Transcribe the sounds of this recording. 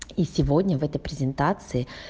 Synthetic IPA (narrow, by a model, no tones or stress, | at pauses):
isʲɪvodʲnʲəvɛt̪əjpɾʲɪzʲɪnt̪at̪sɨɪ